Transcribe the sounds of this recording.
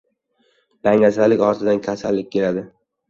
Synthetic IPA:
b̪̥aŋʲasalɪkʲɒɾt̪ʰɪd̪ankʲʰasalːɪkʲkʰʲːe̞lad̪ɪ

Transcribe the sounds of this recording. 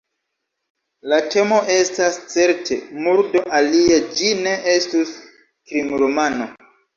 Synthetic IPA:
late̞mo̞ʔe̞stast͡se̞ɾte̞̰muɾdo̞ʔaliad͡ʒine̞ʔestus | kɾimɾomano̞

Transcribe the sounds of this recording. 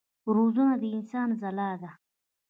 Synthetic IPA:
ɾozunad̪əɪnsɑːnzalɑːd̪a

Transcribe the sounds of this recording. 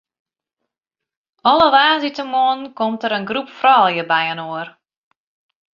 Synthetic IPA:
ɔləʋaːzitəmoənnkɔmtəɾənɡrupfrɔlˠjəbɛjənoər

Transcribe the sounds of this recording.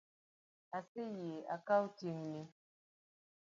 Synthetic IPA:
asejea̰kautjeŋne

